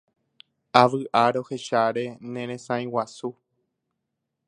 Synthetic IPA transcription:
aʋɨʔaɾo̞he̞ʃaɾe̞nẽɾ̃ẽsãĩwasu

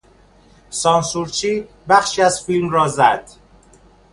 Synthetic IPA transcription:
sɒːnsuɾt͡ʃʰiː | bæxʃiːæzfilmrɒːzæd̪̥

